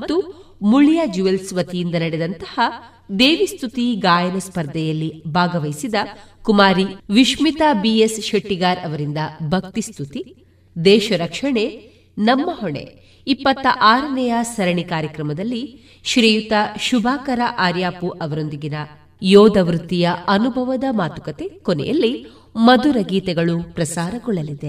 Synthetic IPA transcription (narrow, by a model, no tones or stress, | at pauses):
t̪ːumuɭijad͡ʒuʋelsʋɐt̪ijind̪ɐnɐɽɛd̪ɐnt̪ɐ̥hɐ | d̪eːʋist̪ut̪iɡaːjɐnɐspɐɾd̪ʱɛjɐlːibʱaːɡɐʋɐjsid̪ɐkumaːɾiʋiʃmit̪abiesʃɐʈːiɡaːɾɐʋɐɾind̪ɐbʱɐk̚t̪ist̪ʰut̪i | d̪ɛːʃɐɾɐkʂɐɳe | nɐmːɐɦɔɳḛ | ipːɐt̪ːɐʔaːɾɐnɛjɐsɐɾɐɳikaːɾjɐkɾɐmɐd̪ɐlːi | ʃɾijut̪ɐʃubʱaːkɐɾɐʔaːɾjaːpuʔɐʋɐɾond̪iɡinɐ | jɔːd̪ɐʋɾut̪ːijɐɐnubʱɐʋɐd̪ɐmaːt̪ukɐt̪ekɔnɛ̰jɐ̰lːi | mɐd̪uɾɐɡiːt̪ɛɡɐɭupɾɐsaːɾɐɡɔɭːɐlid̪e